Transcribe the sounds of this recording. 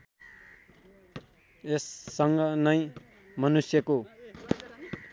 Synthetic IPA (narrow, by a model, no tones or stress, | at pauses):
esːʌŋɡʌnʌj̃ | mʌnusjʌko